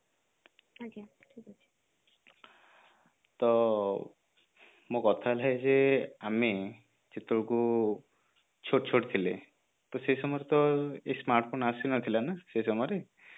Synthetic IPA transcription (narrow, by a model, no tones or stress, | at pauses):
ik | t̪ɔ | mokɔt̪ʰalaezeame | d͡ʒet̪ouku | t͡ʃʰoʈt͡ʃʰoʈt̪ʰile | t̪ɔsesɔmɔjɾet̪ɔesmaɾʈpʰonasinɔt̪ʰilanasejsɔmɔjɾe